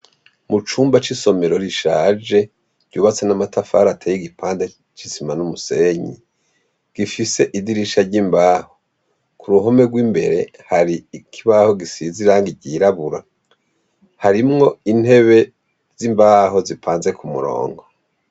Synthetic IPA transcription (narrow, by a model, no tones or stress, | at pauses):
mut͡ʃuːmbat͡ʃiso̞me̞ɾo̞ɾiʃaːd͡ʒe̞ | ɟɟuːβat͡senamatʰafa̰ːɾatʰejiɡipʰaːnda | t͡ʃizimanumuseɲḭ | ɡ̥ifise̞ʔidiɾiʃaɟiːmbaːho | kʰuɾuɦo̞me̞ɡwiːmbe̞ɾe̞ | haɾiːkʰiβaho̞ɡisiziɾaːŋɡiɟiɾaβuɾa | haɾimŋo̞in̥he̞βe̞ | z̥imbaːɦo̞zipʰaːnze̞kʰumṵɾo̞̰ːŋɡo